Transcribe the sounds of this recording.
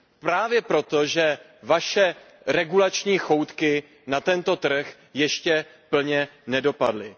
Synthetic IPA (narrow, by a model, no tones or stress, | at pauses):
pɾaːvjɛpɾo̞t̪o̞ʒɛ | vaʃɛ | ɾɛɡulat͡ʃɲiːxo̞wt̪kɪ | nat̪ɛnt̪o̞t̪r̩x | jɛʃcɛ | pl̩ɲɛnɛdo̞padlɪ